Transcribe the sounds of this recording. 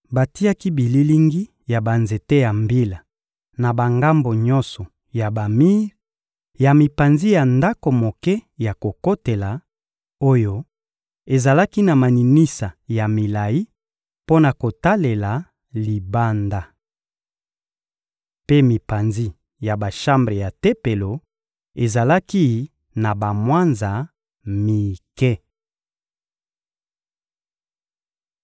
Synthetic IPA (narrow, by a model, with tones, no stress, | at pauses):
ba˨ti˦ja˦ki˦bi˨li˦li˦ŋɡi˦ | ja˨ba˨nze˨te˦ja˨mbi˦la˨ | na˨ba˨ŋɡa˦mbo˨ɲɔ̃˦nsɔ˨ | ja˨ba˨mi˦ | ja˨mi˨pa˨nzi˦ja˨nda˦ko˨mo˨kɛ˦ja˨ko˨ko˦te˨la˨ | o˦jo˦ | e˨za˨la˦ki˦na˨ma˨ni˨mi˦sa˨ja˨mi˨la˨ji˦ | po˦na˨ko˨ta˦le˨la˨ | li˨ba˦nda˦ | pe˦mi˨pa˨nzi˦ | ja˨ba˨ʃa˦mbʁe˨ja˨te˦pe˨lo˨ | e˨za˨la˦ki˦ | na˨ba˨mwa˦nza˨ | mi˨kɛ˦